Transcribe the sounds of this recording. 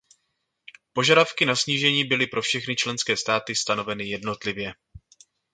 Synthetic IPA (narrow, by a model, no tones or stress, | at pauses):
po̞ʒadafkɪnasɲiːʒɛɲiːbɪlɪpɾʔo̞fʃɛxnɪt͡ʃlɛnskɛːst̪aːt̪ɪst̪ano̞vɛnɪjɛdno̞t̪lɪvjɛ